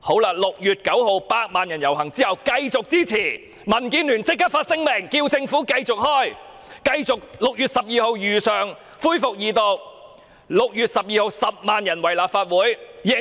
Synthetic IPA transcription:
ho˨˥wlaː˧˩lʊ˨k̚jyː˨t̚kɐ˨˥wɦo˨˧wpaː˧k̚maː˨njɐ˨˩njɐ˨˩wɦɐ˨˩ŋt͡siː˥hɐ˨wkɐ˧jt͡sʊ˨k̚t͡siː˥t͡sʰiː˨˩ | mɐ˨˩nkiː˧nlyː˨˩nt͡sɪ˥kːa˥faː˧t̚sɪ˥ŋmɪ˨˩ŋkiː˧wt͡sɪ˧ŋfuː˨˥kɐ˧jt͡sʊ˨k̚hɔː˥j | kɐ˧jt͡sʊ˨k̚lʊ˨k̚jyː˨t̚sɐ˨p̚jiː˨˧ho˨˧wjyː˨sœː˨ŋ | fuː˥jfʊ˨k̚jiː˨˩t̪o˧w | lʊ˨k̚jyː˨˩t̚sɐ˨p̚jiː˧ho˨˧wsɐ˨p̚maː˨njɐ˨˩nwɐ˨˩jlaː˨p̚faː˧t̚wuː˨˥jjɪ˨˩

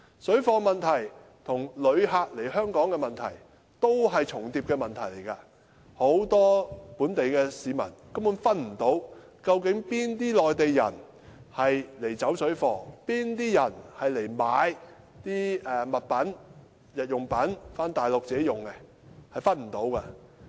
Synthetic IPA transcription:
sɵ˨˥ɥfɔː˧mɐ˨nt̪ʰɐ˨˩j | t̪ʰʊ˨˩ŋlɵ˨˧ɥɦaː˧k̚le˨˩jhœː˥ŋkɔː˨˥ŋkɛ˧mɐ˨nt̪ʰɐ̰˨˩j | t̪o˥wɦɐ˨jt͡sʰʊ˨˩ŋt̪iː˧p̚kɛː˧mɐ˨˩nt̪ʰɐ˨˩jle˨˩jkaː˧ | ho˨˥wt̪ɔː˥puː˨˥nt̪e˨jkɛː˧siː˨˧mɐ̰˨˩nkɐ˥mːuː˨˥nfɐ˥t̚m̩˨˩t̪o˨˥w | kɐ˧wkɪ˨˥ŋpiː˥nt̪iː˥lɔː˨jt̪e˨jːɐ̰˨˩n | hɐ˨jle˨˩jt͡sɐ˨˥wsɵ˨˥ɥfɔː˨˩piː˥nt̪iː˥jɐ˨˩nhɐ˨jle˨˩jmaː˨˧j | t̪iː˥ɛː˨mɐ˨t̚pɐ˨˥n | jɐ˨t̚jʊ˨ŋpɐ˨˥nfaː˥nt̪aː˨jlʊ˨k̚t͡sːe˨˥jʊ˨ŋkɛ˧ | hɐ˨jfɐ˥t̚m̩˨˩t̪o˨˥wkɐː˧

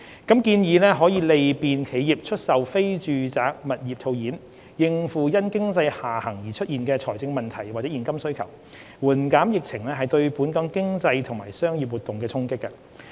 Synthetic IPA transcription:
kɐ˨˥mkiː˧njiː˨˧lɛː˥ɦɔː˨˥jiː˨˧le˨jpiː˨nkʰe˨˥jjiː˨˩p̚t͡ʃʰɵ˥t̚sɐ˨wfe˥jt͡ʃyː˨˧t͡saː˨k̚mɐ˨t̚jiː˨p̚t̪ʰo˧wjiː˨˥n | jɪ˨ŋfuː˨jɐ˥nkɪ˥ŋt͡sɐ˧jhaː˨˩hɐ˨˩ŋjiː˨˩t͡ʃʰɵ˥t̚jiː˨nkɛː˧t͡sʰɔː˨˩jt͡sɪ˧ŋmɐ˨nt̪ʰɐ˨˩jwaː˨t͡sɛː˨˥jiː˨˩nkɐ˥msɵ˥ɥkʰɐ˨˩w | wuː˨˩nkaː˨˥mjɪ˨k̚t͡sʰɪ˨˩ŋlɛː˥ɦɐ˨˩jt̪ɵ˧ɥpuː˨˥nkɔː˨˥ŋkɪ˥ŋt͡sɐ˧jt̪ʰʊ˨˩ŋma̰ː˨˩jsœː˥ŋjiː˨p̬̚wu˨t̪ːʊ˨ŋkɛː˧t͡sʰʊ˥ŋkɪ˥kːɐ˧

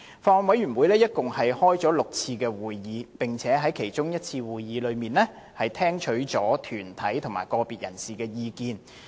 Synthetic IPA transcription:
fɔː˧ŋwɐ˨˥jyː˨˩nwuː˨˧jlɛː˥jɐ˥t̚kʊ˨ŋhɐ˨jhɔː˥jt͡sɔː˨˥lʊ˨k̚t͡sʰiː˧kɛː˧wuː˨jːiː˨˧pɪ˨˩ŋt͡sʰɛː˨˥ɦɐ˨˥jkʰe˨˩jt͡sʊ˥ŋjɐ˥t̚t͡sʰiː˧wuː˨jːiː˨˥lɵ˨˧ɥmiː˨nlɛː˥ | hɐ˨jt̪ʰɛː˥ŋt͡ʃʰɵ˨˥ɥt͡sɔː˨˥t̪ʰyː˨˩nt̪ʰɐ˨˥jt̪ʰʊ˨˩ŋma̰ː˨˩jkɔː˧piː˨t̚jɐ˨˩nsiː˨kɛː˧jiː˨˧kiː˨˧n

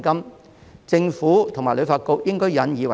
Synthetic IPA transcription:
kɐ˥m | t͡sɪ˧ŋfuː˨˥t̪ʰʊ˨˩ŋmaː˨˩jlɵ˨˧ɥfaː˧t̚ko˧k̚jɪ˥ŋkɔː˥jɐ˨˧˥njiː˨˧wɐ˨

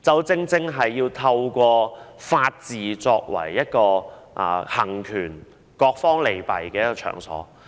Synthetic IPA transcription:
t͡sɐ˨˥wt͡sɪ˥ŋt͡sɪ˥ŋɦɐ˨jːiː˧wt̪ʰɐ˧wkʷɔː˧faː˧t̚t͡siː˨t͡sɔː˧k̚wɐ̰˨˩jːɐ˥t̚kɔː˧ʔa̰ː˨˩hɐ˨˩ŋkʰyː˨˩n | kɔː˧k̚fɔː˥ŋle˨˩jpɐ˨˩jkɛː˧jɐ˥kːɔː˧t͡ʃʰœ̰ː˨˩ŋsɔ̰ː˨˥

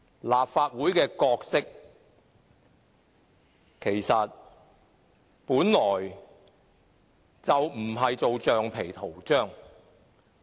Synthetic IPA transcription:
laː˨pfaː˧t̚wuː˨˥jkɛː˧kɔː˧k̚sɪ˥k̚ | kʰe˨˩jsɐ˨t̚ | puː˨˥nlɔː˨˩j | t͡sɐ˨wm̩˨˩ɦɐ˨jt͡so˨wt͡ʃœː˨ŋpʰe˨˩jt̪ʰo˨˩wt͡ʃœː˥˩ŋ

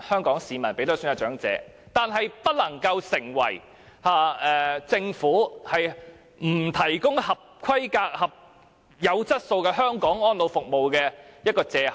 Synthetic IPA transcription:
hœː˥ŋkɔː˨˥ŋsiː˨mɐ˨˩npe˨˥t̪ɔ˥syː˨˥jɐ˨˧wt͡ʃœː˨˥ŋt͡sɛ̰ː˨˧˥ | t̪aː˨nɦɐ˨jpɐ˥t̚lɐ˨˩ŋkɐ˧wsɪ˨˩ŋwɐ̰˨˩j | haː˨˧ɛː˨t͡sɪ˧ŋfuː˨˥hɐ˨j | m̩˨˩t̪ʰɐ˨˩jkʊ˥ŋhɐ˨p̚kʰɐ˥jkaː˧k̚hɐ˨p̚ | jɐ˨˧wt͡sɐ˥t̚so˧wkɛ˧ɦœː˥ŋkɔː˨˥ŋɔː˥nlo˨˧wfʊ˨k̚mo˨wkɛː˧jɐ˥t̚kɔː˧t͡sɛː˨˧h

